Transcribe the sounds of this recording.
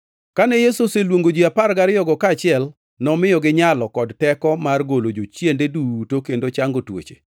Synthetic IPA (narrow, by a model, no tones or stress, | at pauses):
kanɛjesoselwoŋɡod͡ʒiapaɾɡaɾɪjɔɡɔkaːt͡ʃɪɛl | nɔmɪjɔɡɪɲalɔkɔdtɛkɔmarɡolod͡ʒot͡ʃjendedutokendot͡ʃaŋɡotwo̰t͡ʃe̥̰